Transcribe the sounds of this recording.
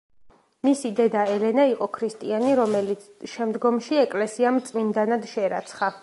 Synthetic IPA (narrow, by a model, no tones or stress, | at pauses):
misid̪ɛd̪aɛlɛnaiqʼɔkʰɾist̪ʼianiɾɔmɛlit̪sʃɛmd̪ɡɔmʃiɛkʼlɛsiamt̪sʼmind̪anad̪ʃɛɾa̰t̪sʰχa